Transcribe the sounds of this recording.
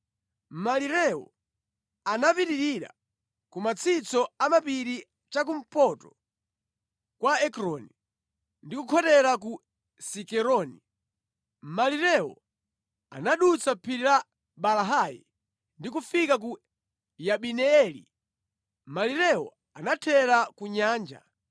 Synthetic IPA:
m̩maliɾɛɔ̰ | anapiɾiɾiɾa̰ | kumat͡sʰit͡sɔamapiɾi | t͡ʃak̬um̩pɔtɔ | kwaɛkɾɔni | ndikukʰɔtɛɾak̬u | sikɛɾɔni | maliɾɛɔ̰ | a̰naɗut͡sapʰiɾila | ɓalaɦajḭ | ndik̬ufikak̬u | jaɓinɛɛlḭ | maliɾɛwɔ̰ | anatʰɛɾakuɲaːnd͡ʒa̰

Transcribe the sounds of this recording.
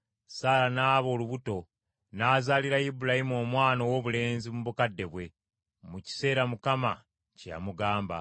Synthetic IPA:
saːlanaːβo̞ːluβuto̞ | naːzaːliɾajibulahimuo̞ːmwaːno̞wo̞βule̞ːnzimuβukadːe̞βwe̞ | muci̥se̞ːɾamukama̰ | ceja̰muɡaːmba̰

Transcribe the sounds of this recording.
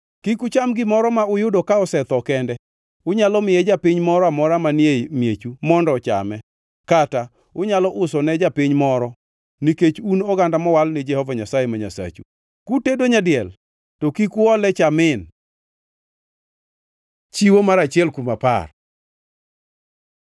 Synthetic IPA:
kikʊt͡ʃamɡɪmɔɾɔmaʊjʊdokaɔsɛt̪ɔkɛndɛ | ʊɲalɔmɪjɛd͡ʒapɪɲmɔɾɔamɔɾamanjemjet͡ʃumɔndɔt͡ʃa̰mɛ | kata | ʊɲalɔʔʊsɔnɛd͡ʒapɪɲmɔɾɔ | niket͡ʃunɔɡandamɔwalnɪd͡ʒɛhɔvaɲasajemaɲa̰sa̰t͡ʃṵ | kutedoɲadɪɛl | tokikʊɔlɛt͡ʃamɪn | t͡ʃiwomaɾat͡ʃɪɛlkumapa̰r

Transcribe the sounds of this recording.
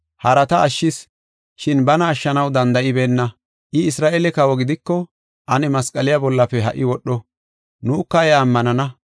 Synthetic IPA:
hɐɾɐt̪ɐːʃːɪs | ʃɪnbɐnɐːʃːɐnɐwd̪ɐnd̪ɐʔɪbeːnːɐ | ʔɪɪsɾaːʔeːlɛkɐwɔɡɪd̪ɪkːɔ | ʔɐnɛmɐskʼɐlɪjabɔlːɐfɛɦɐʔɪwɔɗːɔ | nukːɐɛɐmːɐnɐnɐ

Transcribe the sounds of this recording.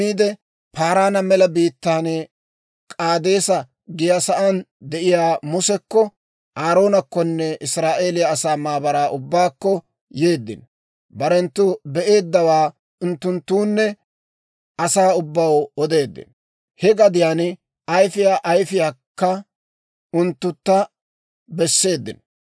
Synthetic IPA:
iːd̪ɛ | paːɾaːnɐmɛlɐbiːt̪ːaːn | kʼaːd̪e̞ːsɐ | ɡɪjasɐʔɐnd̪ɛʔɪjaːmʊsɛkːɔ | ʔaːɾo̞ːnɐkːɔnːɛʔɪsɾaːʔe̞ːlɪjɐːsaːmaːbɐɾaːʔʊbːaːkːɔ | je̞ːd̪ːɪ̰n | bɐɾɛnt̪ːʊbɛʔe̞ːd̪ːɐwaː | ʊnt̪ːʊnt̪ːuːnːɛ | ʔɐsaːʊbːɐwɔd̪e̞ːd̪ːɪ̰n | hɛɡɐd̪ɪjaːn | ʔɐjfɪjaːʔɐjfɪjaːkːɐ | ʊnt̪ːʊt̪ːɐ | bɛsːe̞ːd̪ːɪ̰n

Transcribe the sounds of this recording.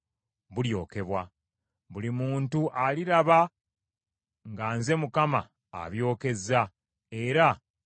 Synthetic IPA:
βuljo̞ːke̞βwa | βulimuːntuʔaliɾaβa | ŋɡaːnze̞mukama̰ː | βjo̞ːke̞za | e̞ɾa

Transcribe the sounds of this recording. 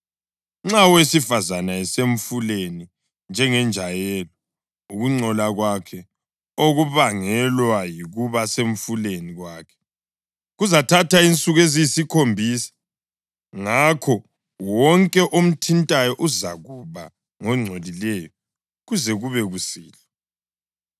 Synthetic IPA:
ŋ͡ǁawesifazanaɛseɱ̩fuleni | nd͡ʒʱɛŋɛnd͡ʒʱajɛlɔ | uɣuŋ͡ǀʱɔlaɣwakʰɛ | oɣuβaŋɛlwajiɣuβaseɱ̩fuleniɣwaːkʰɛ̥ | ɣuzatʰatʰaint͡sʼuɣezijsikʰombʱiːsḁ | ŋakʰɔ | wɔŋkʼɛʔom̩tʰintʼajɔʔuzaɣuβa | ŋɔŋ͡ǀʱolilɛjɔ | ɣuzɛɣuβɛɣusiːlɛ

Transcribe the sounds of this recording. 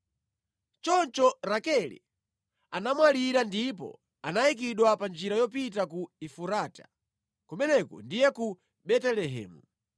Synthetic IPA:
t͡ʃɔnt͡ʃɔɾakɛlḭ | anamwaliɾandip̬ɔ̰ | anaik̬iɗwapand͡ʒiɾajɔp̬itakuifuɾatḁ̰ | kumɛnɛkɔ̰ndijɛku | ɓɛtɛlɛɦɛ̰ːmu

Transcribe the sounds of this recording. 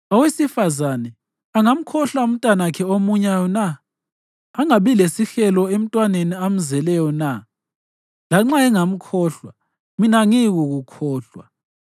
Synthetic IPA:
awesifazanɛ | aŋam̩kʰɔɬwaum̩tʼanakʰɛomuɲajɔnaː | ŋaβilesixɛlɔem̩tʼwaneniam̩zɛlɛjɔna | laŋ͡ǁaɛŋam̩kʰɔɬwa | minaŋiɣuɣukʰɔːɬwa̰

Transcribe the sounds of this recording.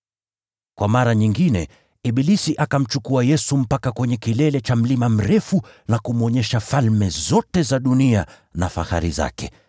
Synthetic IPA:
kwamaɾaɲiŋɡinɛ | iɓilisiʔakam̩t͡ʃukuajɛsum̩pakakwɛɲɛkilɛlɛt͡ʃam̩limam̩ɾɛfunakum̩ɔɲɛʃafalmɛzɔtɛzaɗunia | nafa̰ha̰ɾḭza̰kɛ̰

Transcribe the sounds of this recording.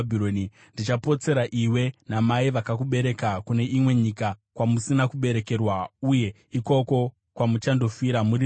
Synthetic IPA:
bʱiɾoːni | ndit͡ʃapo̞t͡se̞ɾaʔiwe̞namaiʋakakuɓe̞ɾe̞kakune̞ʔimwe̞ɲikakwamusinakuɓe̞ɾe̞ke̞rwauje̞ | iko̞ko̞ | kwamut͡ʃando̞fiɾamuɾi

